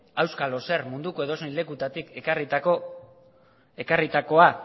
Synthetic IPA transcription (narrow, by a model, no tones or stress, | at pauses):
awskalo̞se̞rmund̪ukoe̞ðo̞sile̞kut̪at̪ike̞karit̪ako | e̞karit̪ako̞a